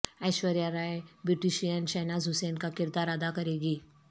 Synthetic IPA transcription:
ɛːʃʋəɾijaɾaːjbɾɪʈiʃijənt͡ʃɛːnaːzɦʊseːnkakɪɾd̪aːɾəd̪akɐɾeːɡiː

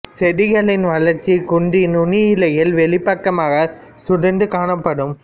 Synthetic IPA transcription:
sɛɽɪɣɐɭɪnʋɐɭɐɾt͡ʃːikʊɳɖɪnʊnɪjɪlɐjɪlʋɛɭɪpːɐkːɐmaːɣɐ | sʊɽɐnɖɯkaːnɐpːɐɽɯm

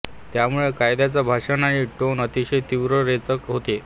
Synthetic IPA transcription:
t̪jamuɭekajd̪jat͡sabʱaʂanaɽ̃iːʈonət̪iɕet̪iʋɾəɾet͡səkɦot̪e

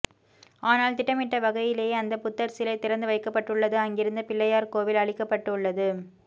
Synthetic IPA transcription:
aːnaːlt̪ɪʈːɐmɪʈːɐʋɐɣɐjɪleːɐnd̪ɐpʊt̪ːɐɾsɪlɐɪt̪ːɪɾɐnd̪ɯʋɐɪkːɐpːɐʈːɯɭːɐðɯɐŋɡɪɾɯnd̪ɐpɪɭːɐjaːɾkoːʋɪlɐɭɪkːɐpːɐʈːɯʊɭːɐðɯ

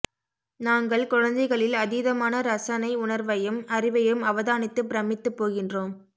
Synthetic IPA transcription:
naːŋɡɐɭkʊɻɐnd̪ɐɪɣɐɭɪlɐðiðɐmaːnɐɾɐsɐnɐɪʊɳɐɾʋɐjɯmɐrɪʋɐjɯmɐʋɐðaːnɪt̪ːɯpɪɾɐmɪt̪ːɯpːoːɣɪndroːm

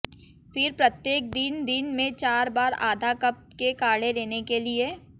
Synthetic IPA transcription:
fɪɾpɾɐt̪jeːk̚d̪ɪnd̪ɪnmẽt͡ʃaːɾbaːɾa̰ːd̪ʱakɐp̚kekaːɽeɾeːnekelie

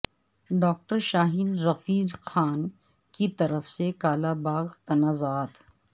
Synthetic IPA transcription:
ɖɔːk̚ʈəɾʃaːɦiːnɾɐfiːɾxaːn | kit̪ɐɾəfsekaːlabaːɣt̪ɐnaːzaːt̪ʰ

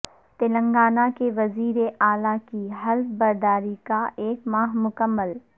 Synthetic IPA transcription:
t̪ɪlə̃ŋɡaːnakeʋɐziːɾeʔaːlakiɦɐlfbɐɾd̪aːɾikaeːkmaːɦmʊkəmːəl

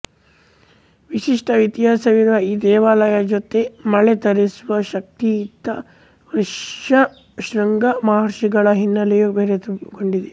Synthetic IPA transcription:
ʋiʃiʂʈɐʋit̪iɦaːsɐʋiɾʋɐiːd̪ɛːʋaːlɐjɐd͡ʒot̪emɐɭet̪ɐɾisuʋɐʃɐk̚t̪iːt̪ːɐ | ʋɾʂɐ | ʃɾɐŋɡɐmaːɾʃiɡɐɭɐɦinːɐlɛjubeːɾet̪koɳɖid̪e

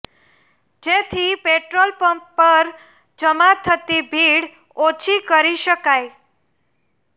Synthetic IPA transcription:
d͡ʒet̪ʰipeʈɾolpəmp̚ːəɾ | d͡ʒəmat̪ʰːət̪ibʱiɽ | ot͡ʃʰikəɾiʃəkaj

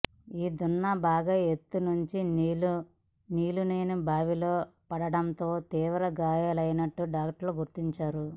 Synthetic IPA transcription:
iːd̪unːɐbaːɡaet̪ːunuɲt͡ʃil | niːluneːnubʱaːʋiloːpɐɽɐɽɐnt̪o̞ːt̪iːʋɐɾɐɡaːjaːlɐjnɐʈːuɖaːkʈloːɡuɾt̪iɲt͡ʃaːɾu

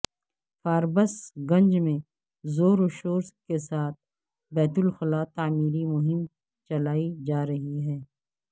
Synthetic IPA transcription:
faːɾbəsɡɐ̃ɲd͡ʒmẽ | zoːɾoʃoːɾskesaːt̪̚ʰ | bɛːt̪ʊlxɪlaːt̪aːmiːɾimʊɦɪm | t͡ʃɐlaːid͡ʒaːɾɐɦiɦɛː

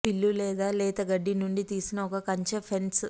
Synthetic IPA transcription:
pilːulɛːd̪aːlɛːt̪ɐɡɐɖːinuɳɖit̪iːsinɐɔkɐkɐɲt͡ʃɐpʰens

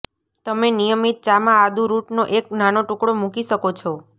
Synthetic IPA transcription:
t̪əmenijəmit̪̚t͡ʃamãad̪ʱuɾuʈnoʔeknanoʈũkɽomukiʃəkot͡ʃʰɔ

